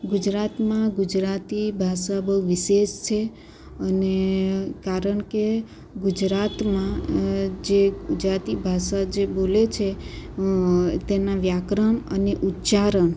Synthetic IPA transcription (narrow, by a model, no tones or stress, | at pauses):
ɡud͡ʒɾat̪mãɡud͡ʒɾat̪ibʱaʃabəɦuʋɪʃeʃt͡ʃʰe | ənekaɾəɳke | ɡud͡ʒɾat̪mã | d͡ʒeɡʊd͡ʒɾat̪ibʱaʃad͡ʒebolet͡ʃʰe | t̪enaʋjakɾəməneʔutːt͡ʃaɾəɳ